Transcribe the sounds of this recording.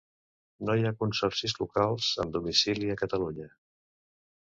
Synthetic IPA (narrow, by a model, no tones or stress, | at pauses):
nojakunsɔrsizlukalˠz̥ə̰md̪umisiliəkət̪əluɲə